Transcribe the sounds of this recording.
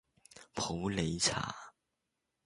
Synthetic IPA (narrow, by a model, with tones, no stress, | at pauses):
pʰo˨˥ʊle˨˧˥ɪt͡sʰa̰˨˥˦